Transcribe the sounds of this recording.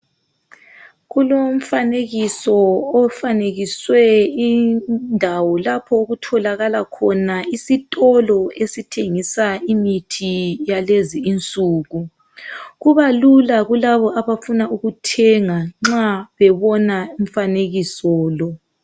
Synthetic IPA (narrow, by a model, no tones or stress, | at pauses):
ɣulom̩faneɣisɔːfaneɣiswɛindʱawɔlapʰɔoɣutʰɔlaɣalakʰɔnaisitʼɔlɔesitʰeŋisaimitʰijaleziːnt͡sʼuːɣu | ɣuβalulaɣulaβɔʔaβafunauɣutʰɛŋaŋ͡ǁaβɛβɔnaim̩faneɣisɔːlɔ